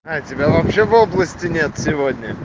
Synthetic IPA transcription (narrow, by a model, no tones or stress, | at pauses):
atʲɪbʲavɐpɕːevoblˠəsʲtʲɪnʲe̞t̪sʲɪvodʲnʲə